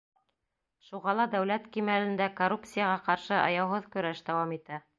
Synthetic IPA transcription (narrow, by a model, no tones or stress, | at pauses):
ʃuʁɑlˠɑd̪æwlæt̪kimælɘ̆nd̪ækorup̚t̪sɨjɑʁɑqɑɾʃɤʔɑ̰jɑwɦɤðkɵ̆ɾæʃd̪æwɑmit̪æ